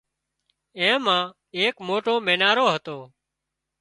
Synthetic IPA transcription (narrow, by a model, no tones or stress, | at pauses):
ẽːmãː | eːkmoːʈoːmẽːnaːɾoːɦət̪oː